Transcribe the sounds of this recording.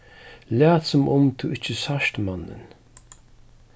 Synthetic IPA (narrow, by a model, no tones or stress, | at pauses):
læːt̪sʊmʔʊmt̪ʰɪɪt͡ʃːəsaʃt̪manə̰n